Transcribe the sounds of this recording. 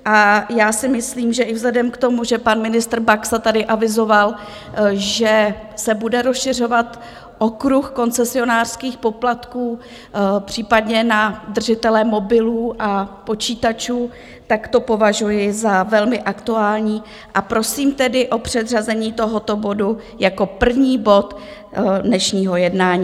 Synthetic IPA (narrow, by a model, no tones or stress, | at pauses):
ʔajaːsɪmɪsliːmʒɛʔɪvzlɛdɛmkt̪o̞muʒɛpanmɪnɪst̪r̩baksat̪adɪʔavɪzo̞val | ʒɛ | sɛbudɛɾosʃɪr̝o̞vat̪ | ʔo̞kɾuxko̞nt͡sɛsɪo̞naːr̥skiːxpo̞plat̪kuː | pr̝̥iːpadɲɛnad̪r̩ʒɪt̪ɛlɛmo̞bɪluːʔapo̞t͡ʃiːt̪at͡ʃuː | t̪akt̪o̞po̞vaʒujɪzavɛlmɪʔakt̪uaːlɲiː | ʔapɾo̞siːmt̪ɛdɪʔo̞pr̝̥ɛd̪r̝azɛɲiːt̪o̞ɦot̪o̞bo̞du | jako̞pr̩vɲiːbo̞t̪ | dnɛʃɲiːɦo̞jɛdnaːɲiː